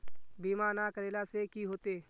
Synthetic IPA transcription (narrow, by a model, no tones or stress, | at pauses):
biːmaːnakəɾeːlasekiɦoːt̪eː